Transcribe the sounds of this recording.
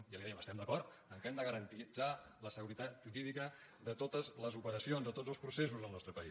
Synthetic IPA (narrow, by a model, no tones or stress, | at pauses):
jaliðɛjəməst̪ɛmd̪əkɔrt̪ | əŋkɛmd̪əɣəɾənt̪id͡za | ləsəɣuɾit̪at̪ʒuɾiðikə | ðət̪ot̪əzləzupəɾəsionzðət̪od͡zzəlˠspɾuses̬uzðəlˠnɔst̪ɾəpəi